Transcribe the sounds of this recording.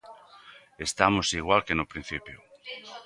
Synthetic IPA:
est̪amosiɣ̞walkenʊpɾin̟θipjo

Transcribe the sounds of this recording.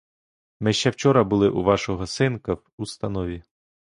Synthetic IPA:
mɪʃt͡ʃɛwt͡ʃɔɾɐbʊlˠɪʔuʋɑʃɔɦɔsɪnkɐwust̪ɐnɔʋʲi

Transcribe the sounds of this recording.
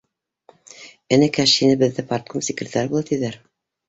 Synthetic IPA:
ɘ̆nɘkæʃinɘbɘ̆ðːɘpart̪̚komsʲikrʲet̪aɾbulˠɑt̪iðæɾ

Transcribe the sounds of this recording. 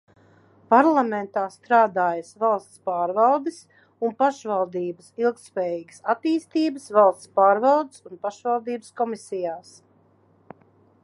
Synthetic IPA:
paɾlˠamẽnt̪aːst̪ɾaːd̪aːjɐsvalˠst̪spaːɾvalˠd̪is | unpaʃvalˠd̪iːbəsilˠk̚t̪spɛːjiːɡə̥sat̪iːst̪iːbəsvalˠst̪spaːɾvalˠd̪ɪsunpaʃvalˠd̪iːbəskɔmisijaːs

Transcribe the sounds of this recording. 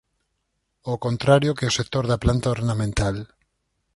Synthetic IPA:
okont̪ɾaɾjokeosek̚t̪oɾðaplant̪aoɾnamẽnt̪al

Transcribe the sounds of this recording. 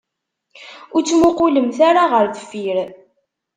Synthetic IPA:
ʊɾt͡sːmʊqʊləmθaɾaʁəɾðəfiɾ

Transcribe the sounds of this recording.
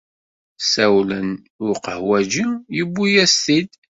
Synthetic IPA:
sæwlən | ʊɾqəhwæd͡ʒijəbːujæstid̪

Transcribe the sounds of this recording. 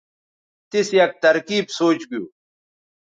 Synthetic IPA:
t̪isjɐk̚t̪ɐɾkiːbsoːt͡ɕɡijuː

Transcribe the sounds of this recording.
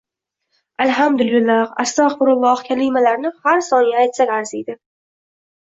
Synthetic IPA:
alɦamd̪ʊlʊlahast̪ɒqbʊɾʊlˠːɒhkʲʰalɪmalaɾnɪhaɾsɒnjaːjt̪sakʲaɾsijd̪ɪ

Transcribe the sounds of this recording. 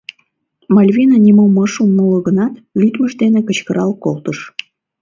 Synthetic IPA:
mɑlʲvinɑnʲimoməʃumːələɣənɑt̪lʲyt̪məʃd̪enekət͡ɕkəɾɑlkolt̪əʃ

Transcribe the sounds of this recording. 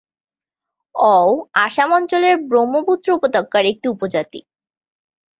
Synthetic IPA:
ɔwaʃamɔnt͡ɕoleɾbɾomoput̪ːɾoupod̪okːaɾek̚ʈiupod͡ʑat̪ḭ

